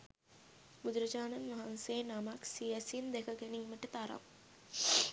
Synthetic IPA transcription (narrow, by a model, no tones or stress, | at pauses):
bud̪ɾɐd͡ʒaːnɐnʋɐɦɐnseːnɐmaksiɐsind̪ekɐkeniŋmɐʈːɯt̪ɐɾɐ̰m